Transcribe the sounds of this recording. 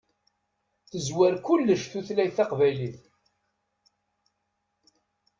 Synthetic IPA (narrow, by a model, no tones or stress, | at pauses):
θəzwæɾkʊlːəʃθuθlæjθɑqvæjliθ